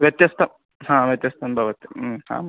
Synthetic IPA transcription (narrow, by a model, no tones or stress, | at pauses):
ʋʲjɐt̪jɐst̪ʰɐm | hãːʋjɐt̪jɐst̪ʰɐnbʱɐʋɐt̪jɐhã̰ː